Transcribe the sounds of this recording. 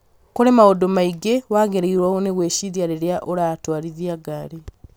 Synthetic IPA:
koɾemaodomaiɡewaɡeɾeiɾwaoneɣweːʃiðjaɾeɾjaʔoɾaːtwaːliðjaɡali

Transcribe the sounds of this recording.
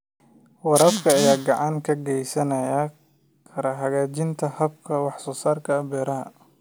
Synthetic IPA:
wɑɾɐbkʰɐːjaːɡɑʕɑŋkʰɐɡɛjsɐnɐjɐ | kʰɐɾɐɦɐɣaːt͡ʃɪnt̪ʰɐhɐbkʰɐwɑħsɔːsaːrkʰɐːbɛːɾɐɦɐ̰

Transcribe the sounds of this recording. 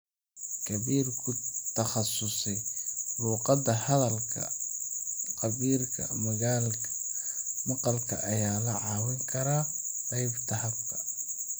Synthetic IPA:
kʰɐβiːrkʰʊt̪ʰɐχɑsʊsɛjluːqɑd̪ɐhɐðɐlkʰɐ̰ | qɑβiːrkʰɐ̰mɐɣaːlkʰɐ̥mɑqɑlkʰɐ̰ʔɐjaːlɐʕɑːwɪŋkʰɐɾaqɑjbt̪ʰɐhɐft̪ʰɐ

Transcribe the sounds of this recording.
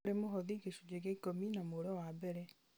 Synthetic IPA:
ɾemoɦɔðiɡeʃud͡ʑeɡekominamoɾɔwabɛɾɛ

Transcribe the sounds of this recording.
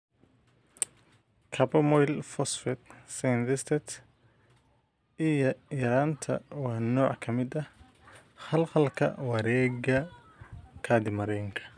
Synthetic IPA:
kʰɐbɐmɔjlfɔsfɛt̪̚sɛnd̪ɛst̪ʰɛt̪ | ijɔjɐɾaːnt̪ʰɐ̰wɑːnɔːʕkʰɐmɪd̪ɐ | χɐlqɐlkʰɐ̰wɐɾɛːɡɐ | kʰaːd̪ɪmɐɾɛjŋkʰɐ̥

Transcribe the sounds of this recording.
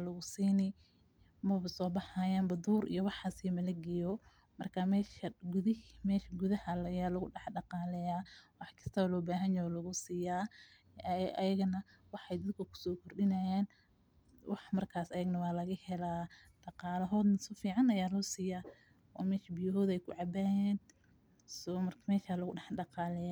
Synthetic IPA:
lɐɣʊsiːnɪ | mɐβɐsɔːbɑħaːjaːnbɐd̪uːɾḭjwɑħɑsimɐlɐɡɛjɔ | mɐrkʰamɛːʃɐɡʊðɪmɛːʃɐɡʊðɐhɐljaːlɐɣʊɖɛħɖɑqɑːlɛjaːwɑħkʰɐ̥st̪ʰɐβɐlɔːbaːɦɐnjɔːlɐɣʊsɪjaː | ɐjɐɣɐnɐ | wɑħɑjd̪ɐd̪̚kʰɐkʰʊ̥sɔːkʰɔrɗɪnɐjaːn | wʔɑħmɐrkʰaːsɐjɐɡnɐwɑːlɐɣɐhɛlaː | ɖ̥ɑqɑːlɐɦɔːd̪nɐsɔfiːʕɑnɐjaːlɔːsɪjaː | ʔɔ̰ːmɛːʃɐbɪjɐɦɔːðɛjkʰʊ̰ʕɑbajɛːn | sɔmɐrkmɛːʃalɐɣʊɖɛħɖɑqɑːlɛja

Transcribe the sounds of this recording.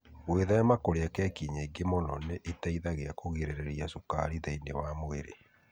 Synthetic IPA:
ɣweðaamakoɾeakɛkiɲaiɡemɔnɔ̰neʔitaiðaɣeakoɣiɾeɾeɾiasuka̰ɾiðainḛwamoeɾḛ

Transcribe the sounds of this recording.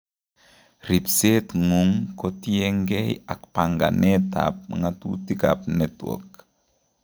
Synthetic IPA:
ɾipsetŋuŋkotieŋɡejakpaŋɡa̰neta̰p̚ŋatṵtika̰p̚netwo̰k̚

